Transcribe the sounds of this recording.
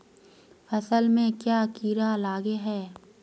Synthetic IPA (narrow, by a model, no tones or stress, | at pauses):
fɐsəlmẽkjaːkiːɾalaːɡeɦɛː